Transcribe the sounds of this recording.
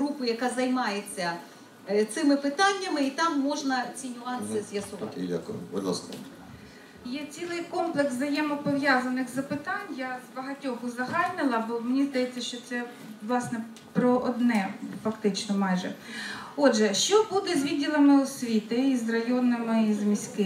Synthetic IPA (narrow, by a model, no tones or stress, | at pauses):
ɦɾupʊjɐkɑzɐjmɑjet͡sʲːɐ | t̪sɪmɪpɪt̪ɑnʲːɐmɪit̪ɑmːɔʒnɐt͡sʲinʲʊɑnsɪzʲjɐsʊʋɑkḭjɐ̰kʋɪlɔ̰snɛ̰m | jɛt͡sʲilˠɪjkɔmplˠɛksɐjɛmɔpɔʋjazɐnɪxzɐpɪt̪ɑnʲjazbɐɦɐtʲɔɦʊzɐɦɑlʲnɪlˠɐbɔmenʲizd̪ɐjɛt͡sʲːɐʃt͡ʃɔt̪sɛ | ʋlˠɑsnɛ | pɾɔʔɔd̪nɛfɐkt̪ɪt͡ʃnɔmɑjʒɛ̰ɔdʒɛʃt͡ʃɔbud̪ɛzʲʋʲid̚ʲːilˠɐmɪɔsʲʋʲit̪ɪizrɐjɔnɪmɪizmʲisʲkɪ